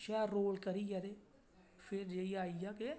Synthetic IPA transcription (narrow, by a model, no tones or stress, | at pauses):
ʃɛːoːlkəɾiːɡɛɾeː | fʰɪɾd͡ʒeːiːaːijaːke